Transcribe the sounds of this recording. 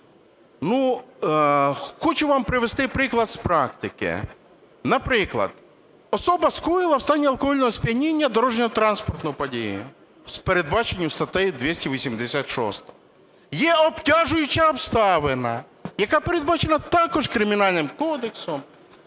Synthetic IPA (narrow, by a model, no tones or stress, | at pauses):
nu | xɔt͡ʃʊʋɑmpɾɪʋest̪ɪpɾɪklˠɐd̪spɾɑkt̪ɪkɪ̰ | nɐpɾɪklˠɐ̰d̪̥ | ɔsɔbɐskɾujɪlˠɐwst̪ɑnʲːiɐlˠkɔɦɔlʲnɔɦɔspʲjɐnʲinʲːɐd̪ɔɾɔʒnʲɔɦɔt̪ɾɑnspɔrt̪nɔjʊpɔdʲijʊ̰ | speɾed̪bɑt͡ʃenʲːʊst̪ɐt̪ɪjd̪ʲʋʲisʲtʲiʋʲisʲimd̪esʲat̪ʃɔ̰st̪ɔ̥ | jɛɔptʲaʒʊjʊt͡ʃɐɔwst̪ɑʋenɐ | jɐkapeɾed̪̚bɑt͡ʃenɐt̪ɑkɔʒkɾɪmʲinɑlʲnɪmkɔd̪eksɔm